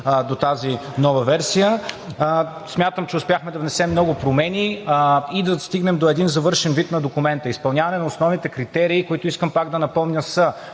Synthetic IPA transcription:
d̪ot̪azinɔvɐvɛɾsijə | smʲjat̪əmt͡ʃɛʊspʲjaxmɛd̪ɐvnɛsɛmnɔɡʊpɾomɛnʲiid̪ɐst̪iɡnɛmd̪oɛd̪inzɐvɤɾʃɛnvit̪nɐd̪okʊmɛnt̪əispɐlˠnʲavɐnɛnɐosnɔvnit̪ɛkɾit̪ɛɾiːkoit̪ʊiskəmpaɡd̪ɐnɐpɔmnʲəsə

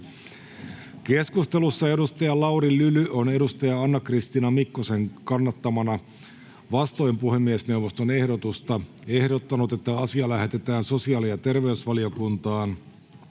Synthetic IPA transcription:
ke̞skust̪e̞lusːɑe̞dust̪ɑjɑlɑuɾilylyone̞dust̪ɑjɑɑnːɑkrist̪inɑmikːose̞ŋkɑnːɑt̪ːɑmɑnɑ | ʋɑst̪ojmpuhe̞mːiesne̞wʋost̪o̞ne̞hdo̞t̪ust̪ɑ | e̞hdo̞t̪ːɑnut̪e̞t̪ːæɑsiɑlæhet̪e̞t̪æːnso̞siɑːlijɑt̪e̞rʋe̞ysʋɑlio̞kunt̪ɑːn

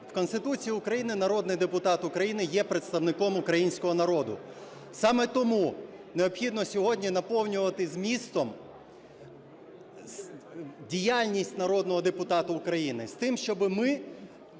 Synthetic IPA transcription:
wkɔnst̪ɪt̪ut͡sʲijiʊkɾɐjinɪnɐɾɔd̪nɪjd̪epʊt̪ɑt̪ʊkɾɐjinɪjɛpɾet̪st̪ɐwnɪkɔmʊkɾɐjinʲsʲkɔɦɔnɐɾɔd̪ʊ̰ | sɑmɛt̪ɔmuneɔbxʲid̪nɔsʲɔɦɔdʲnʲinɐpɔwnʲʊʋɐt̪ɪzmʲist̪ɔm | dʲijalʲnʲisʲtʲnɐɾɔd̪nɔɦɔd̪epʊt̪ɑt̪ʊːkɾɐjinɪst̪ɪmʃt͡ʃɔbɪmɪ

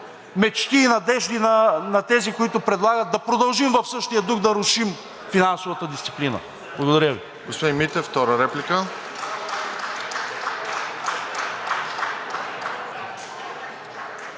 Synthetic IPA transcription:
mɛt͡ʃk̪iːnɐd̪ɛʒd̪inɐnɐt̪ɛzikoit̪ʊpɾɛd̪lˠaɡət̪̚d̪ɐpɾod̪ɐlˠʒimvɐfsɤʃt̪ijəd̪uxd̪ɐɾʊʃim | finansovɐt̪əd̪ist̪si̥plinə̰ | blˠɐɡod̪ɐɾʲjəvi | ɡospod̪imit̪ɛft̪ɔɾəɾɛplikə

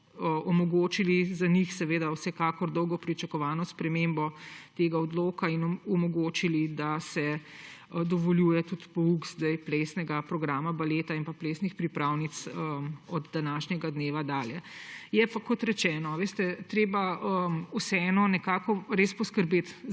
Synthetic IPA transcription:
əɔmɔɡoːt͡ʃilizanixsɛʋeːd̪awsɛkaːkɔɾd̪ɔwɡɔpɾit͡ʃɐkɔʋaːnɔspɾɛmembɔt̪eɡaɔd̪loːkainɔmɔɡot͡ʃilid̪asɛ | d̪ɔʋɔljuːjɛt̪ut̪pɔukzd̪ajpleːsnɛɡapɾɔɡɾaːmabaleːt̪ainpapleːsnixpɾipɾawnit̪səmɔd̪d̪anaʃnʲɛɡad̪neːʋad̪aːljɛjɛpakɔt̪ɾɛt͡ʃɛːnɔʋeːst̪ɛt̪ɾeːbaəmusɛɛnɔnɛkaːkɔɾeːspɔskəɾbeːt̪

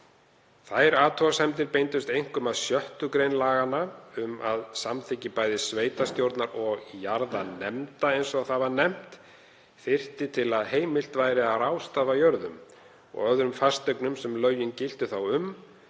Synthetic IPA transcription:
θajɾaːt̪ʰɔasɛmt̪ɪɾpejnt̪ʏst̪ejŋ̥kʏmaðsjœht̪ʏkɾejnlaːɣanːaʏmaðsamθɪcɪpaːjðɪsveːjt̪ast̪jowɾt̪naɾɔɣjaɾðanɛmt̪aejnsɔaθavaɾnɛm̥t̪ | θɪr̥t̪ɪt̪ʰɪlaðɦeːjmɪl̥t̪vajɾɪarawst̪aːvajœɾðʏ̰m | ɔ̰ɣœðɾʏmfast̪œknʏmsɛmlœːɥjɪncɪl̥t̪ʏθawʏm

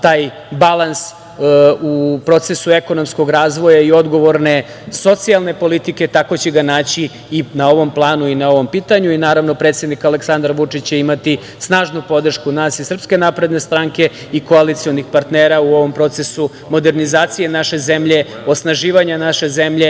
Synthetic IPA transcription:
t̪aːj | balˠans | upɾo̞t̪se̞sue̞ko̞no̞msko̞ɡɾaːzʋo̞jaio̞d̪ɡo̞ʋo̞ɾne̞ | so̞t̪sialˠne̞po̞lit̪ike̞t̪ako̞t͡ɕeɡanaːt͡ɕiː | nao̞ʋo̞mplˠaːnuinao̞ʋo̞mpiːt̪aɲuinaːɾaʋno̞pɾet̪sje̞d̪nikale̞ksand̪ɾʋut͡ʂit͡ɕt͡ɕeimat̪i | snaːʒnupo̞d̪r̩ʃkunaːsisr̩pske̞napɾed̪ne̞st̪ɾaŋke̞ | iko̞alit̪sio̞nixpaɾt̪neːɾauo̞ʋo̞mpɾo̞t̪se̞su | mo̞d̪e̞ɾnizaːt̪sije̞naʃe̞ze̞mʎe̞ | osnaʒiːʋaɲanaʃe̞zemʎe

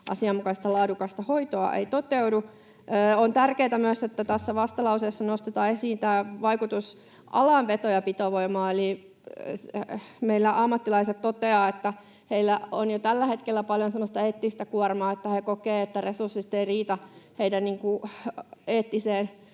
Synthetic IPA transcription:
ʔɑ̰siɑmmukɑsst̪ɑlɑːdukɑst̪ɑhoit̪oɑ̰ʔḛit̪ot̪eudu | ʔːont̪ærkeːt̪æmyøset̪ːæt̪æsːæʋɑst̪ɑlɑusesːɑnost̪et̪ɑːesiːnt̪æːʋɑikut̪us | ʔɑ̰lɑʋʋet̪ojɑpit̪oʋoimɑːeli | meilːæʔɑmːɑt̪ːilɑiset̪t̪ot̪eɑːet̪ːæ | heilːæonjot̪ælːæhet̪kelːæpɑljonsemːost̪ɑeːt̪ːist̪ækuɑrmɑːet̪ːæhekokeːet̪ːæresursːist̪eiriːt̪ɑheidænniːŋku | eːt̪ːiseːn

